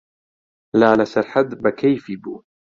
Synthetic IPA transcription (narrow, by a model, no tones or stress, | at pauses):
laːlasaɾħad̪bakajfibuː